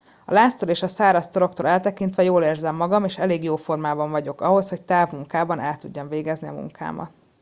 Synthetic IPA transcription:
ɒ̰laːst̪oleːʃɒsaːɾɒst̪oɾo̞kt̪oːlɛlt̪ɛkint̪ʋɛjoːleːrzɛmːɒɡɒmeːʃɛleːɡjoːfo̞rmaːbɒɱvɒɟo̞kɒɦo̞sho̞ct̪aːvmuŋkaːbɒnʔɛlt̪uɟːɒɱveːɡɛzniɒ̰mṵŋkʰa̰ːmɒ̰t̪

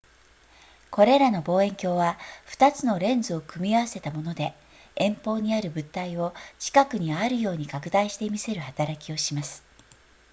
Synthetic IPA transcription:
ko̞ɾe̞ɾano̞bo̞ːẽ̞ŋkʲo̞ːβaɸɯ̥t̪at͡sɨno̞ɾẽ̞nd͡zɨo̞kɯ̟mʲiaβase̞t̪amo̞no̞d̪e̞ | ẽ̞mpo̞ːɲ̟iaɾɯ̟bɯ̟t̪ːaio̞t͡ɕi̥kakɯ̟ɲ̟iaɾɯ̟jo̞ːɲ̟ikakɯ̟d̪aiɕi̥t̪e̞mʲise̞ɾɯ̟hat̪aɾakʲio̞ɕimasɨ̥

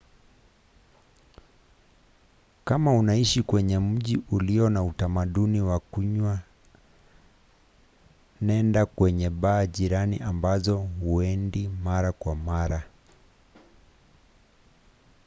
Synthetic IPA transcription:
kamaunaiʃikwɛɲɛm̩ʄiuliɔnautamaɗuniwakuɲwa | nɛndakwɛɲɛɓaːʄiɾaniʔambazɔhuɛndimaɾakwamaɾa

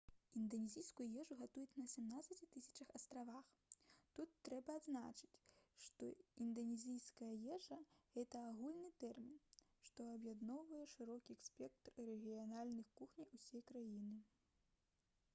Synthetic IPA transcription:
ind̪ɐnʲɛzʲijskujujɛʐuɣat̪ujɛt͡sʲnɐsʲɛmnat̪sɐt͡sʲit̪ɨsʲɐ̥t͡ʂɐxɐst̪ɾavax | t̪ut̪ːɾɛbɐːd̪znat͡ʂɨ̥t͡sʲʂt̪ɔind̪ɐnʲɛzʲijskɐjɐjɛʐɐɣɛt̪ɐːɣulʲnɨt̪ɛrmʲin | ʂt̪ɔɐbjad̪nɔwvɐjɛʂɨɾɔkʲiɛksʲpʲɛk̚t̪rrɛɣʲijanalʲnɨxkuxnʲijusʲɛjkɾajinɨ

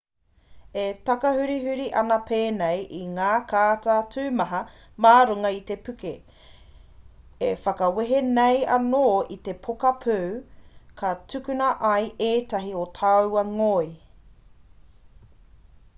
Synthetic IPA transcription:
et̪ɐkɐhʉɾiɦʉɾiʔɐ̰nɐpʰeːnejʔiŋaːkʰaːtatʰʉːmɐɦɐ | maːɾuŋɐit̪epʉke | efɐkɐweɦenejɐ̰noːit̪e̞pʰokɐpʰʉwkʰɐtʰʉkʉnɐʔɐjeːt̪ɐɦiotʰawɐŋoj

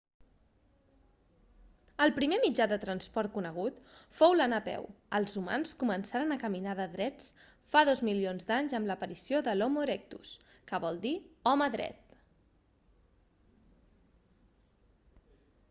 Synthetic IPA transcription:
əlˠpɾimemid͡ʒaðət̪ɾənspɔɾt̪̚kunəɣ̞ut̪fowlənapɛ̰wəlˠzuma̰nskumənsaɾənəkəminaðəðɾɛt͡s | faðɔzmilionzd̪aɲzəmləpəɾisioðəlɔmoɾek̚t̪ṵs | kəβɔlˠd̪iɔməðɾɛ̰t̪̚

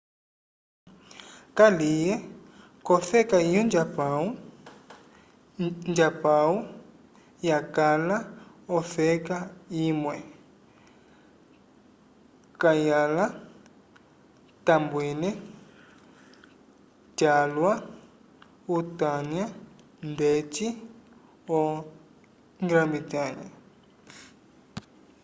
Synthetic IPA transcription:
kalijɛ | kɔfɛkaijɔnd͡ʒapau | nd͡ʒapau | jakʼalaɔfɛkaimwɛ | kajala | tambwɛnɛ | d͡ʒalwa | utaɲa | ndet͡ʃʼi | ɔ | ŋɡɾambitaːɲa

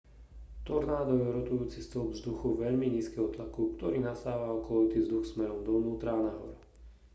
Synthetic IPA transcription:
t̪ɔɾnaːd̪ɔjɛɾɔt̪ujuːt͡sist̪ɔlˠɡvzd̪uxuʋɛʎmiɲiːskɛɦɔt̪lakukt̪ɔɾiːnast̪aːʋaɔkɔit̪ivzd̪uxsmɛɾɔmd̪ɔnuːt̪ɾaanaɦɔ̰ɾ

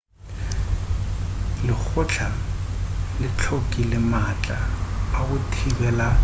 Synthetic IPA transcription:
lɪk͡xʰʊt͡ɬʰa | lɪt͡ɬʰokʼilɪmat͡ɬʼaːkʊtʰibɛla

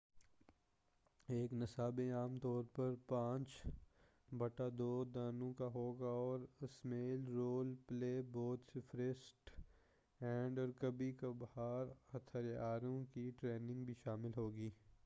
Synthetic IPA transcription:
eːknɪsaːbeaːmt̪ɔːɾpɐɾpãːt͡ʃ | bɐʈad̪oːd̪aːnõkaɦoːɡaɔːɾɪsmeːlɾoːlpleːbɔːt̪sɪfʰɾɪsʈ | ɛ̃ːɳɖɔːɾkɐbikabɐhaːɾɐt̪ʰəɾjaːɾõkiʈɾeːnɪ̃ŋɡbʱiʃaːmɪlɦoːɡiː

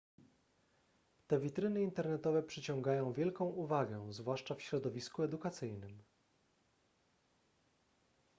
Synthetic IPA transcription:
t̪ɛvʲit̪ɾɘnɘint̪ɛɾnɛt̪ɔvɛpʂɘt͡ɕɔ̃ŋɡajɔ̃w̃vʲjɛlkɔ̃w̃uvaɡɛzvwaʂt͡ʂafɕɾɔd̪ɔvʲiskuɛd̪ukat̪sɘjnɘm

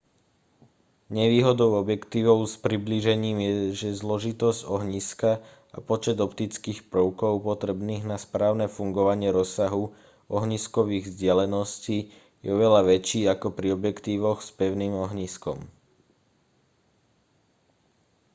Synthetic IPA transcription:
ɲɛʋiːɦɔd̪ɔʊɔbjɛkt̪iːʋɔʊspɾibliːʒɛɲiːmjɛʒɛzlɔʒit̪ɔzɟɔɦɲiska | a̰pɔt͡ʃɛd̪ɔpt̪it͡skiːxpɾʊkɔʊpɔt̪ɾɛbniːɣnaspɾaːʊnɛfuŋɡɔʋaɲɪɛɾɔsaɦu | ɔɦɲiskɔʋiːɣvzɟɪalɛnɔsciː | jɛɔʋɛʎaʋɛt͡ʃiːakɔpɾiɔbjɛkt̪iːʋɔxspɛʊniːmɔɦɲiskɔ̰m

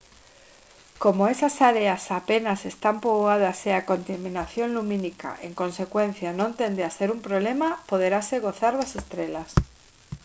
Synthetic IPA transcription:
komoesasaɾeasapenasest̪ampɾoβoaðaseakont̪amĩnaθjonlumĩnika̰ʔeŋkõnsekwẽn̟θjanõnt̪end̪easeɾumpɾoβlemapoð̞eɾaseɣoθaɾðasest̪ɾelas

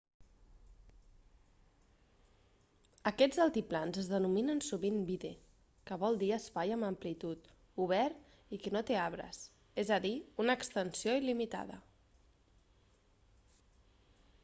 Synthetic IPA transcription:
əkɛd͡zəlˠt̪iplanzəzðənuminənsuβimbiðe | kəβɔlˠd̪iəspajəməmplit̪ut̪ | uβ̞ɛɾt̪ | ikənot̪eaβ̞ɾə̰s | ezəðiunəːkst̪ənsioilimit̪a̰ðə̰

